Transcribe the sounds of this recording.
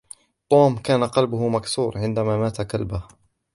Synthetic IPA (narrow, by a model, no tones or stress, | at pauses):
t̪ˤoːmkaːnaqɑlbʊhʊmaksuːɾʕɪnd̪amaːmaːt̪akalbah